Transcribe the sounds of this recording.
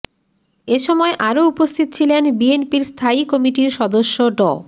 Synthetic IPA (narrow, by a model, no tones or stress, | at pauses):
eʃɔmɔeʔaɾoupost̪ʰit̪o̥t͡ɕʰilenbienpiɾst̪ʰaikɔmiʈiɾʃɔd̪oʃːoɖɔ̰